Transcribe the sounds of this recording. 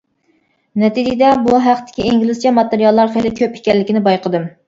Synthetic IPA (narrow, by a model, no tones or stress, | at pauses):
nɛt̪id͡ʒɪd̪ɛbuɦæqt̪ʰɪ̥kʲiiŋɡʲilɨst͡ʃʰɛmɑt̪eɾijɑlˠːɑɾχelɪkʲʰøpekʲɛlːɪkʲinɪbɑjqʰəd̪ɨm